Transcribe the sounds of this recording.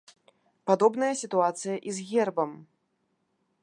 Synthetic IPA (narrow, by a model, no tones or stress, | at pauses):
pad̪ɔbnɐjɐsʲit̪uat̪sɨjɐʔizɣʲɛrbɐm